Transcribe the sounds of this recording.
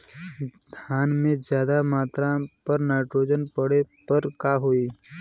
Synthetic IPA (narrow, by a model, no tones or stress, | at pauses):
d̪ʰʱaːnmẽd͡ʒjaːd̪amaːt̪ɾãpəɾnaːʈɾoːd͡ʒənpəɽepəɾkaːɦoiː